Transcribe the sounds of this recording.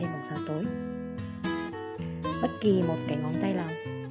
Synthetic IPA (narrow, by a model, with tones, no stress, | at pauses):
e˧nɓo˨˩tsaː˨˦t̪əː˨˦j | ɓə˦˥t̚ki˨˩mo˨˩t̚kaː˨˦jŋɔ˨˦nt̪a˧jlaː˨˩